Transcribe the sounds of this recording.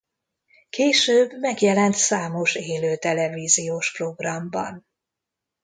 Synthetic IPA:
keːʃøːbmɛɡjɛlɛnt̪saːmo̞ʃeːløːt̪ɛlɛviːzijoːʃpro̞ɡrɒmbɒ̰n

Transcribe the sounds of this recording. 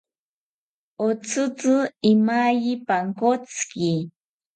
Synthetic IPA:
ot͡sɨt͡sɨɪmaʎipaŋkot͡ski

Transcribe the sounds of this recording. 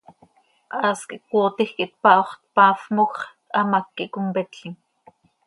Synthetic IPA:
ʔɑːskḭʔk̚woːt̪ixkiʔt̪̚pɑʔoχt̪̚pɑːfmox | ɑmakːiʔkompɛt̪ɬiŋ

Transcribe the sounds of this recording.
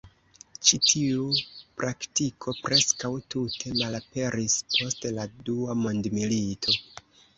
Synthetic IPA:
t͡ʃitʰiupɾʔaktikʰo̞pɾe̞skawtutʰe̞malape̞ɾispʰo̞stladuamondmilitʰo̞

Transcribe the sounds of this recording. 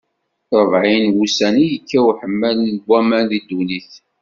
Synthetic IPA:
ɾˤəvʕinwusænijəkːæwħəmːælnəɡʷːæmænðid̪uniθ

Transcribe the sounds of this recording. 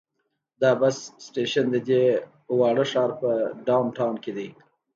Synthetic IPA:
d̪ɑbassʈeʃand̪əd̪ʲe | wɑɽəʂɑːɾpəɖawnʈawnked̪ij

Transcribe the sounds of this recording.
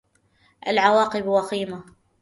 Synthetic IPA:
ʔalʕawɑːqɨbwɑxiːma

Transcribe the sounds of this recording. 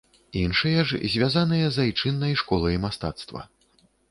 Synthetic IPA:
inʂɨjɐʐzʲvʲazanɨjɐzajt͡ʂɨnːɐjʂkɔlˠɐjmast̪at̪st̪vɐ̰

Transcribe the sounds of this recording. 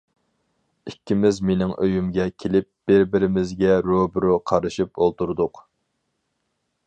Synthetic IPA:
ikʲːimɪzmenɪŋʔøjymɡʲɛkʲʰelɪp̚b̥ɪɾbɪɾɪmɪzɡʲɛɾobɾuqʰɑɾɨʃip̚olˠt̪uɾd̪ʊq

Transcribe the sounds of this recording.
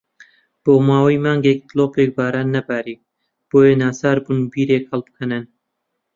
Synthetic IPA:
b̥oːmaːwiːmaːŋɡek̚t̪loːpek̚baːɾaːnːɐbæːɾiː | b̥oːjenaːsaːɾbunubiːɾeːkhɐlˠbɨkʰɐnɨn

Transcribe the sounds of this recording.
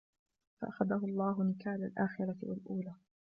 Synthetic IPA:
fa̰ʔaxaðaɦʊɑlˤːɑːɦʊnɪkaːlalʔaːxɪɾˤɑt̪wa̰lʔuːlaː

